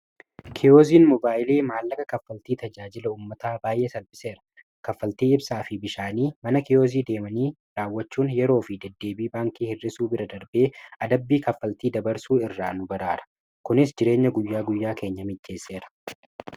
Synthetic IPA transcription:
kʰɪjoːziːnmɔbaːʔɪleːmaːlːɐkɐkɐfːɐlt̪iːt̪ɐd͡ʒaːd͡ʒɪlɐuːmːɐt̪aːbaːjʔe̞ːsɐlbɪse̞ːɾɐ̥ | kɐfːɐlt̪iːɪbsaːfɪbɪʃaːniːmɐnɐkɪoːziːd̪e̞ːmɐniː | ɾaːwːɐt͡ʃːuːnjɛɾo̞ːfɪd̪ɛd̪ːe̞ːbiːbaːŋkiːhɪrːɪsuːbɪɾɐd̪ɐɾbe̞ːɐd̪ɐbːiːkɐfːɐlt̪iːd̪ɐbɐɾsuːɪrːaːnʊbɐɾaːɾɐ̥ | kʊnɪs̬d͡ʒɪɾe̞ːɲːɐɡʊjːaːɡʊjːaːke̞ːɲːɐmɪd͡ʒːe̞ːsːe̞ːɾɐ̥

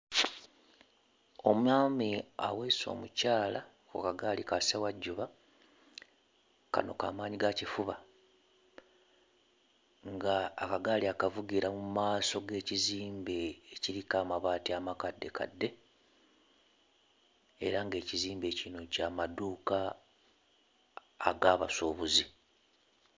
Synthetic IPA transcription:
o̞muaːmia̰weso̞̰ːmucaːla | kṵkaɡaːlikasawaɟːuβa | ka̰no̞̰ka̰ːmaːɲiɡacifuβa | ŋɡaːkaɡaːliakavuɡiɾamuumaːso̞ɡe̞ːciziːmbe̞ːciɾikaːmaβaːtiamakadːe̞ka̰dːe̞ | ḛɾaŋɡe̞ːciziːmbe̞ːcino̞caːmaduːka | ɡaːβasoːβuzi

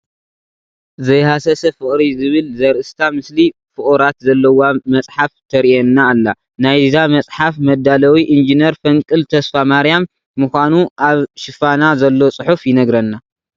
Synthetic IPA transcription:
zɐjhasɐsɐfɨkʼɾizɨβɨlzɐɾʔɨst̪ʰamɨsli | fɨχʼuɾat̪zɐlːɐwamɐt͡sʼħaft̪ʰɐɾiɛnːaːlːa | najzzamɐt͡sʼħafmɐd̪ːalɐwiʔind͡ʒinɐɾfɐŋkʼɨlt̪ʰɐsfamaɾijamː | ɨxʷanuʔaβʃɪfanazɐlːot͡sʼɨħufjɪnɐɡɾɐnːa

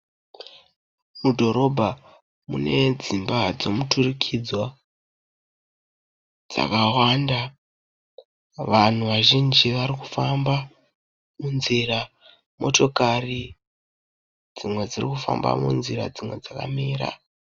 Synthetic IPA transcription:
mudʱo̞ɾo̞bʱa | mune̞d͡zimbad͡zo̞muturikʰid͡zwa | d͡za̰kawanda | ʋan̤uʋaʒind͡ʒiʋaɾiku̥famba | munzira | mo̞to̞kari | d͡zimwe̞d͡zirikufa̰mba̰mṵnziɾa̰d͡zimwe̞̰d͡zaka̰miːɾa̰

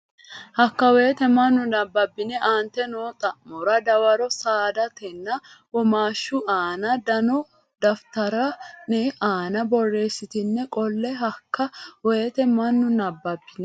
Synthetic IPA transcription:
hɐkːɐwe̞ːt̪ɛmɐnːʊnɐbːɐbːɪnɛʔaːnt̪ɛnoːt̪ʼɐʔmɔɾɐd̪ɐwɐɾɔsaːd̪ɐt̪ɛnːɐ | wɔmaːʃːʊʔaːnɐd̪ɐnɔ | d̪ɐft̪ɐɾɐnɛʔaːnɐbɔrːe̞ːsːɪt̪ɪnːɛkʼɔlːɛɦɐkːɐweːt̪ɛmɐnːʊnɐbːɐbːɪnɛ

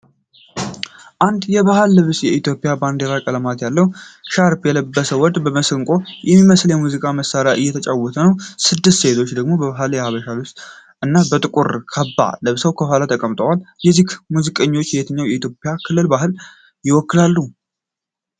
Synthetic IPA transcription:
ʔand̪jɛβahalːɨβsjɛit̪jo̞pʼːɪjaband̪eɾakʼələmat̪jalːəhwʃaɾpjɛləbːəsəwɔd̪bəməsɨŋkʼo̞jɛmːiməsljɛmuzikʼaməsːaɾjaʔɨjɛt̪ʰət͡ʃʼawɔt̪ʰənəwsɨd̪ːɨst̪se̞t̪ʰo̞t͡ʃːd̪əɡmo̞bəβaɦaljɛhaβəʃalɨst̪ʔɨnːabət̪ʼɨkʼuɾkʰəbːa̰lɨβsəwkʰəfalat̪ʰəkʼəmt̪ʼəwaljɛzikmuzikʼəɲːo̞t͡ʃːjɛet̪ʰəɲːawjɛit̪ʰjo̞pʼjakʰɨlːɨlbaɦɨl | jɪwɔkːɨlalːu

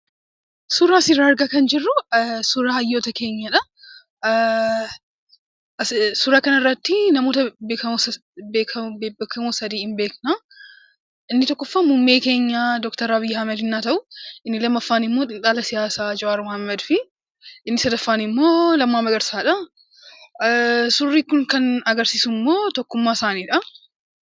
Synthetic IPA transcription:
sʊɾaːsɪraɐɾɡakɐnd͡ʒɪrːʊsʊɾaːɐjːoːt̪ɐke̞ːɲːɐᶑɐ | ɐssʊɾaːkɐnɐɪrːɐt̪ːɪnɐmo̞ːt̪ɐbekɐ | bekʰɐbekɐmosɐd̪iːhɪmbe̞ːknaː | ɪnːɪt̪ɔkːɔfːamʊmːe̞ːke̞ːɲːad̪ɔkt̪ɐɾɐbijːhɐmɛd̪ɪnːaːt̪ɐʔʊʔɪnːɪlɐmːɐfːaːnɪmːo̞ːᶑ̪ʼɪnᶑaːlɐsɪjaːsaːd͡ʒɔʔaːɾʊmhɐmːɛd̪fɪ | ʔɪnːɪsɐd̪ɐfːaːnɪmːo̞ːlɐmːaːmɐɡɐɾsaːᶑɐ | sʊrːiːkʊŋkɐnɐɡɐɾsiːsʊmːo̞ːt̪ɔkːʊmːaːɪsaːniːᶑɐ

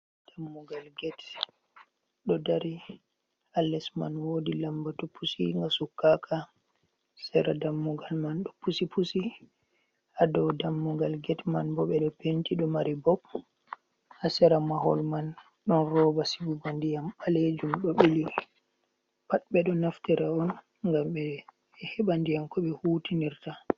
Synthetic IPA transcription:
d̥amːuɡalɡɛt | ɗɔdaɾi | alɛsma̰nwoːdilambatɔpʰusḭŋɡasukːakʰa | sɛɾadamːuɡalmanɗɔpusipusi | adɔwdamːuɡalɡɛtmanbɔɓɛɗɔpentiɗɔmaɾibɔb | hasɛɾamahɔ̰lman | ɗɔnrɔːbasibubandijamɓaled͡ʒumɗɔɓili | paɗɓɛɗɔnaftiɾaɔn | ŋɡamɓɛ | hɛɓandijamkɔɓɛhuːtiniɾta

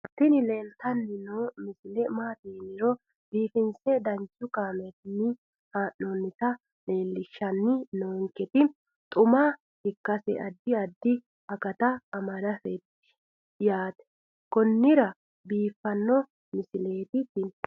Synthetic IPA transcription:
t̪ːɪnɪleːlt̪ɐnːɪnomɪsɪlɛmaːt̪eːnɪɾɔ | biːfɪnsɛd̪ɐnt͡ʃːʊkaːmɛt̪ɪnːɪ | haːnːonːɪt̪ɐ | le̞ːlːɪʃːɐnːɪnoːŋkːɛt̪ɪ | t̪ʼʊma | hɪkːɐsɛ̰ʔɐd̪ːɪɐd̪ːɪ | ɐkɐt̪ɐːmɐdɐfɛt̪ːɪ̥ | jaːt̪ɛ̥ | kɔnːɪɾɐ | biːfːɐnːɔ | mɪsɪleːt̪ɪt̪ɪ

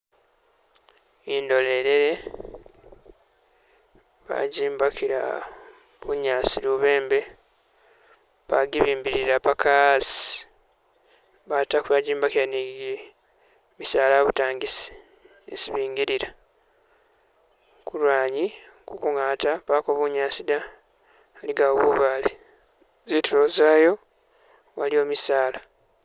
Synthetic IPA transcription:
indo̞le̞ɾeɾe̞ | βa̰ɟiːmbakiɾa̰ | βuɲaːsiɾuβe̞ːmbe̞ | βaɡiβiːmbiɾiɾapakasi̥ | βatakuβaɟiːmbakiɾaniɡe | misaːlaβutaːŋɡisi̥ | ḛsiβiːŋɡiɾiɾa | kulwaːɲikukuŋaːtapaːkoβuɲaːsidaː | liɡaβuβale | zituɾozaːjo̞ | walio̞ːmisaːla

